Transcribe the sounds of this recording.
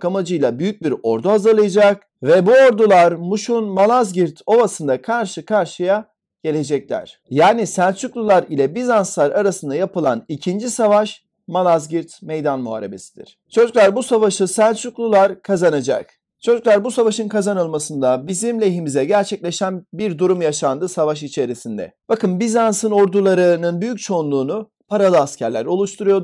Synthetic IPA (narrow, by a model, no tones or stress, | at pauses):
kʰamad͡ʒɯjlˠabyjyc̚biɾo̞ɾd̪uɦazɯɾlˠɯjad͡ʒak̚ | vɛbuo̞ɾd̪ulˠaɾmuʃunmalˠazɟiɾt̪ʰo̞vasɯnd̪akʰaɾʃɯkʰaɾʃɯja | ɟ̥e̞lʲe̞d͡ʒɛclʲæ̰ɾ̥ | jaːnisænt͡ʃuklˠulˠaɾilʲɛbizanslˠaɾaɾasɯnd̪ajapɯlˠa̰nicʰind͡ʒisavaʃ | malˠazɟiɾt̪mejd̪anmuɦa̰ːɾe̞be̞sid̪ḭɾ̥t͡ʃʰo̞d͡ʒuklˠaɾbusavaʃɯsænt͡ʃuklˠulˠaɾkʰazanad͡ʒa̰k̚ | t͡ʃʰo̞d͡ʒuklˠaɾbusavaʃɯnkʰazanɯlˠmasɯnd̪abizimlʲeɦimizɛɟæɾt͡ʃʰɛc̚lʲeʃænbiɾd̪uɾumjaʃand̪ɯsavaʃ̬it͡ʃʰe̞ɾisind̪ɛ̰b̥akɯnbizansɯnoɾd̪ulˠaɾɯnɯnbyjyc̚t͡ʃʰo̞unlˠuːnu | pʰaɾalˠɯascʰæɾlʲæ̰ɾo̞lˠuʃt̪ʰuɾujo̞